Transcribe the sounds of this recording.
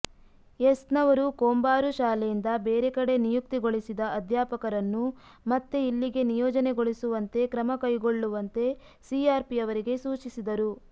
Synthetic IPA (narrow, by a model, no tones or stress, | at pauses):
esnɐʋɐɾukoːmbaːɾuʃaːlejind̪ɐbeːɾekɐɽe̞nijuk̚t̪iɡo̞ɭisid̪ɐɐd̪ʱjaːpɐkɐɾɐnːu | mɐt̪ːeilːiɡe̞nijɔːd͡ʒɐne̞ɡo̞ɭisuʋɐnt̪e̞kɾɐmɐkɐjɡo̞ɭːuʋɐnt̪e̞ | siaːɾpiɐʋɐɾiɡe̞suːt͡ʃisid̪ɐɾu